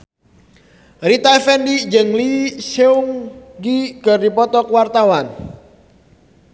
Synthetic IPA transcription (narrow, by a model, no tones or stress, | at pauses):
rit̪aɛfɛndid͡ʒɨŋlisɛuŋɡikɨrdipɔt̪ɔkwart̪awan